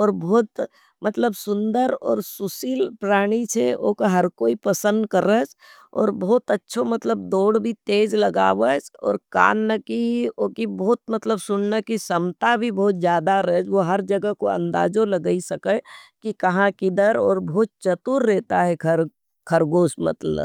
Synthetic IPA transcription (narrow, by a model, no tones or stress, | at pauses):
ɔːɾbɔːt̪ | mɐt̪ləbsʊ̃nd̪əɾɔ̰ːɾsʊsiːlpɾaːɽ̃it͡ʃʰɛo̰ːkaɦɐɾkoːipəsə̃nd̪kəɾət͡ʃ | ɔ̰ːɾbɔːt̪ətːʃʰomɐt̪ləb̚d̪oːɽbʱit̪eːd͡ʒləɡa̰ːʋət͡ʃɔ̰ːɾka̰ːnːəkiokibɔːt̪̚mɐt̪ləbsʊɳnəkisəmt̪abʱibɔːt̪d͡ʒjaːd̪aɾəɛd͡ʒʋoɦɐɾd͡ʒəɡəkoɐ̰̃nd̪a̰ːd͡ʒoləɡəisɐkəkikɐɦãkid̪əɾɔːɾboːt̪̚t͡ʃət̪uɾːɛːt̪aɦɛkʰəɾ | kʰəɾɡoːsmɐ̰t̪lə̰b